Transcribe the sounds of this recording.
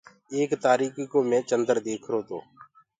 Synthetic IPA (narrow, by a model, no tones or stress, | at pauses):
eːkt̪aːɾiːkikõːmẽːt͡ʃənd̪əɾd̪eːkʰɾoːt̪o̰ː